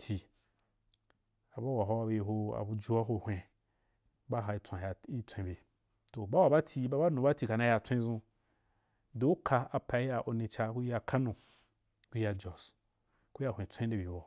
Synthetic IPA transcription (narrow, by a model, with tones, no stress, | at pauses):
tʰi˨ | a˨ba˦wa˨ɦo˦a˧be˧˨ɦo˧a̰˨bu˧d͡ʒu˦a˦ɦo˧˨hʷẽ˧ | ba˦ɦa˧i˧˦t͡sʷã˨ja˨i˦t͡sʷẽ˨˧˨be˨ | to˨ba˦wa˨ba˦tʰʲi˧˦ba˦ba˦nu˨ba˦ti˧ka˨nã˧ja˧t͡sʷẽ˦zũ˧ | do˨˦u˦kʰa˧a˧pa˨˦ja˧ʔo˧nĩ˧t͡ʃa˧ku˦ja˧kʰa˦nũ˨ | ku˦ja˧d͡ʒɔ˨s | ku˦ja˦˨ẽ˨t͡sʷẽ˦de˨bʲi˨bo˨